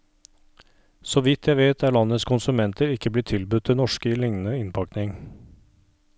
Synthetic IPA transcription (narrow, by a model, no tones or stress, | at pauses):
sɔʋɪt̪ʰːjæɪʋeːt̪ʰæːɭɑnːət̪skʰʊnsʉmɛnt̪ʰəɾɪkːəbliːt̪ʰɪlbʉt̪̚ʰːɪnɔʂkəɪlɪŋnənəɪnpʰɑknɪŋ